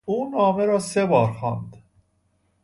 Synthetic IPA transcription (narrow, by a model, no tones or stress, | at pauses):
uːnɒːmeɾɒːsebɒːɾxɒːnd̪